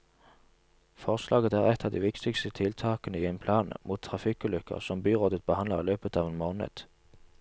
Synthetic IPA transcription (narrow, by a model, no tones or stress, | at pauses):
fɔʁslʔɑ̰ːɡət̪æːʁɛt̪ʰːɑːʋd̪ḭːʋɪkt̪ɪɡst̪ət̪ʰɪlt̪ʰɑːkənəiːeːnpʰlɑːnmʔuːt̪t̪ʰːʁɑfɪkʉlʏkə̰ʁsɔmbyːʁoːd̪ət̪̚bəhɑnləʁiːløːpət̪ɑːʋeːnmoːnə̰d̪̥